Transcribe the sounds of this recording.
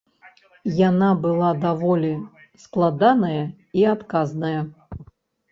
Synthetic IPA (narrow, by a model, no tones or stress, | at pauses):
janabɨlˠad̪avɔlʲi | sklˠad̪anɐjɐ | iat̪kaznɐjɐ